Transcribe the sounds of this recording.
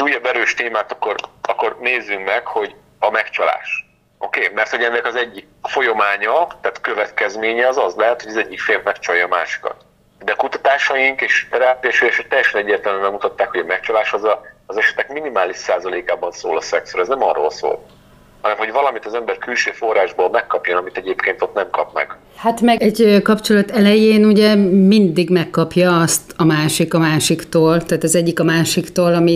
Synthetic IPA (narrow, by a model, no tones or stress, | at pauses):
uːjɒbɛɾøːʃt̪eːmaːt̪ɒkːo̞rɒkːo̞rneːzːyŋkmɛkho̞ɟ | ɒmɛkt͡ʃɒla̰ːʃ | ʔo̞keːmɛrt̪ho̞ɟɛnːɛkɒzɛɟːik̚fo̞jo̞maːɲɒt̪aːt̪kø̞vɛt̪kɛzmeːɲɛɒzɒzlɛɦɛt̪hoɟɒzɛɟːikfeːrvmɛkt͡ʃɒjɒːmaːʃi̥kɒ̰t̪ | d̪ɛkut̪ɒt̪aːʃɒjiŋkeːʃt̪ɛɾaːpiɛʃyjɛʃɛk̚t̪ɛjːɛʃɛnɛɟːeːrt̪ɛlmymɛɡmut̪ɒt̪ːaːkhoɟɒmɛkt͡ʃɒlaːʃɒzɒːzɛʃɛ̥t̪ɛkminimaːliʃsaːzɒleːkaːbɒnso̰ːlɒsɛksoɾɛznɛmɒrːo̰ːlso̰ːl | hɒnɛmɦoɟvɒlɒmit̪ɒzɛmbɛrkylʃøːfo̞raːʒboːlmɛkːɒpjonɒmit̪ɛɟeːpkeːnt̪o̞t̪nɛmkɒpmɛ̰ɡ̥ | hat̪mɛɛɟkɒpt͡ʃo̞lɒt̪ɛlɛjeːnuɟɛmind̪iɡmɛkːɒpjɒɒst̪ɒmaːʃikɒmaːʃikt̪oːlt̪aːt̪ɒzɛɟːikɒmaːʃikt̪oːlɒmi